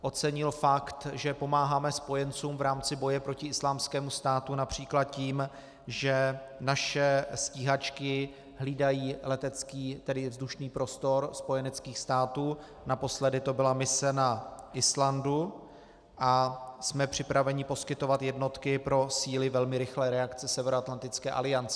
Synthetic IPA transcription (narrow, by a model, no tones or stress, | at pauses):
ʔo̞t͡sɛɲɪlfakt̪ʒɛpo̞maːɦaːmɛspo̞jɛnt͡suːmvɾaːmt͡sɪbo̞jɛpɾo̞cɪɪslaːmskɛːmust̪aːt̪unapr̝̥iːklat̪̚ciːm | ʒɛ | naʃɛsciːɦat͡ʃkɪ | ɦliːdajiːlɛt̪ɛt͡skiːt̪ɛdɪvzduʃniːpɾo̞st̪o̞ɾspo̞jɛnɛt͡skiːxst̪aːt̪uː | napo̞slɛdɪt̪o̞bɪlamɪsɛnaʔɪslandu | ʔasmɛpr̝̥ɪpɾavɛɲɪpo̞skɪt̪o̞vat̪jɛdno̞t̪kɪpɾo̞siːlɪvɛlmɪɾɪxlɛːɾɛakt͡sɛsɛvɛɾoat̪lant̪ɪt͡skɛːʔa̰lɪant͡sɛ